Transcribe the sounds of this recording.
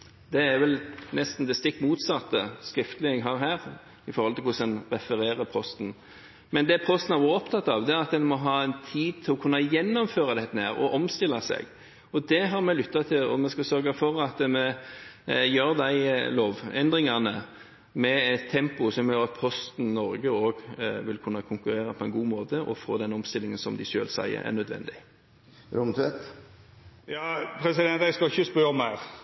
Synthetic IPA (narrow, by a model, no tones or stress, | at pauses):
d̪ɛæɾʋɛlnɛst̪n̩d̪ɛst̪ɪkːmuːt̪sɑt̪ːəskɾɪft̪əlɪɛɡɦɑɾɦæːʁ | ɪfɔɾhɔlt̪ɪkʊsɛnʁɛfəɾeːɾəpʰɔst̪n | mɛnd̪ɛpʰɔst̪n̩æɾʋuːɾɔpt̪ʰɑt̪ːɑʋd̪ɛæɾɑt̪̚d̪ɛnmɔɦɑːɛnt̪ʰiːd̪̚t̪ʰɪlɔkʰʉnːɑjɛnːɔmføːʁɑd̪ɛt̪ːənæːɾɔ̰ʔɔmst̪ɪlːɑsɛ̰ɡ | ɔd̪ɛɦɑɾmɛlʏt̪ːɑt̪ʰɪlɔ̰mɛskɑsœɾɡɑfɔɾɑt̪mɛ | jøːɾd̪æɪloːʋɛnd̪ɾɪŋɑnə | mɛɛt̪ʰːɛmpʊsɔmjøɾɑt̪̚pʰɔst̪n̩nɔɾɡəoːɡʋɪlkʰʉnːɑkʰʊŋkʉɾeːɾɑpʰɔɛnɡuːmoːt̪əʔɔ̰fo̰ːd̪ɛnɔmst̪ɪlɪŋənsɔmd̪ɪʃøːlsæ̰ɪə̰ɾæ̰ʁnœd̪ʋɛ̰nd̪ɪ | ɾʊmt̪ʰʉɛt̪ | jɑːpʰɾɛsɪd̪ɛnt̪æɪskɑɪçəspœmæɾ